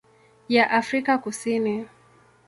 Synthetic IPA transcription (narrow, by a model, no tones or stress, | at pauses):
jaʔafɾikakusini